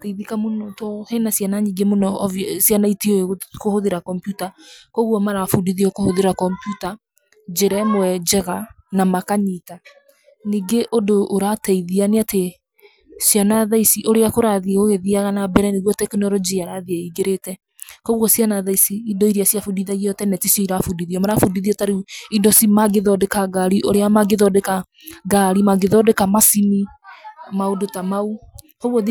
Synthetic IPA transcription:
tɛiðikamonɔtɔhenasjanaɲiɡemonɔvsjanaitioekohoðeɾakɔmpjutakɔɣwɔmaɾafudiðiokohoðeɾakɔmpjuta | d͡ʒeɾɛmoɛd͡ʒɛɣa | namakaɲita | niɡeʔodoʔːɾatɛiðianeate | sijanaðaisiʔoɾeakoɾaðieɣoɣeðiaɣanabɛɾɛniɣwɔtɛkinɔɾɔd͡ʒiaɾaðiaiɡeɾetɛ | kɔɣwɔsianaðaisiːdɔiɾiasjafudiðaiɣiɔtɛnɛtisɔiɾafudiðiɔmaɾafudiðiɔtaɾeidɔsimaɡeðɔdekaɡaɾiʔoɾeamaɡeðɔdeka | ɡaɾimaɡeðɔdekamasini | maodotamau | kɔɣwɔð

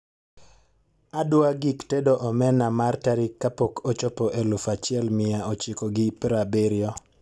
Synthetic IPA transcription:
adwaɡiktedoʔɔmɛnamartaɾikːapokʰot͡ʃɔpɔʔelufat͡ʃɪɛlmɪaot͡ʃɪkoɡɪpɾabeɾjɔ

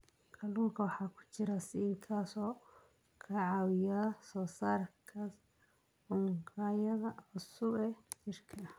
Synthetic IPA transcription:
kʰʼɐluːŋkʰɐwɑħɑːkʰʊ̥t͡ʃɪɾɐsɪɪŋkʰaːsɔː | kʰɐʕɑːwɪjɐɐsɔːsaːrkʰɐ | ʊŋkʰaːjɐðɐʊsʊbɛt͡ʃɪrkʰɐ

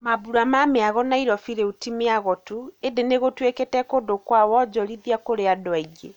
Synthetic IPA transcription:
mabuɾamameaɣɔnaiɾɔfiɾɛutimeaɣɔtuendeneɣotwekɛtɛkodokwawɔd͡ʒɔɾiðiakoɾeadɔaiɡe

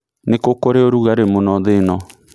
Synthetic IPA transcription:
nekokoɾeoɾuɣaɾemonɔðenɔ

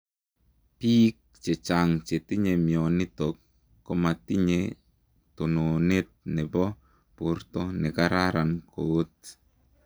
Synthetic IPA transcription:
pik̚t͡ʃet͡ʃaŋt͡ʃetiɲemjɔnɪtokː | omatiɲe | tunonet̚nɛbɔ | puɾtɔnɛkaɾaɾankoːt̚

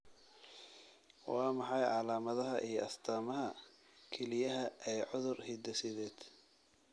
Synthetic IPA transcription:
wɑːmɑħɑjʕɑlaːmɐðɐɦɐʔijɞʔɐst̪ʰaːmɐɦɐ | kʰɛlɪjɐɦɐʔɛːʕʊðʊrhɪd̪ɐsɪðɛːd̪̥

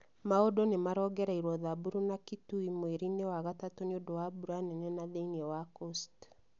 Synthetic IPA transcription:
maodɔnemaɾɔːɡɛɾaiɾwɔðabuɾunakituimweɾinewaɣatatoneodowabuɾuanɛnɛnaðeiŋewakost

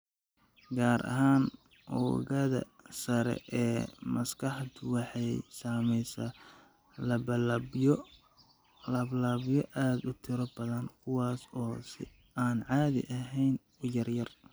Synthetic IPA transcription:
ɡaːɾʔɐ̰ɦaːn | ʔɔ̰ːɣɐðɐ̰sɐɾɛ̰ʔɛːmɐskʰɑħt̪ʰʊwɑħɑjsaːmɛjsaː | lɐbɐ | lɐblaːβjɔʔaːd̪ʊt̪ʰɪɾɔbɐðɐnkʰʊwɑːsɔːsɪ̰ | aːnʕaːðɪ̰ʔɐɦɛjn | ʊjɐrjɐr

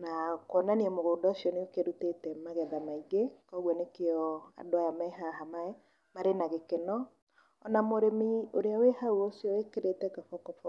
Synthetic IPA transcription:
nakwɔnaniɛmoɣoːdɔosiɔneokeɾutetɛmaɣɛðamaiɣekɔɣwɔnekeɔa̰doajamɛɦaɦamaɛ | maɾenaɣekenɔ | ɔnamoɾemioɾeawehauosiɔwekeɾetɛkɔfɔkɔfɔ

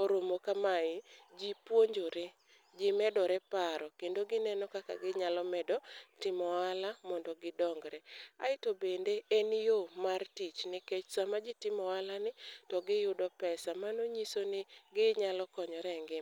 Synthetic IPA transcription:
oɾomokamaɪd͡ʒipwoɲd͡ʒoɾe | d͡ʒɪmɛdɔɾɛpaɾɔkendoɡɪnɛnɔkaka̰ɡɪɲalɔmɛdɔtɪmɔalamɔndɔɡɪdɔŋɡɾɛa̰ɪtobendeenjomartit͡ʃnɪket͡ʃsamad͡ʒɪtɪmɔalanɪtɔɡɪjʊdɔpɛsamanoɲisonɪɡɪɲalɔkɔɲɔɾɛŋɡɪ

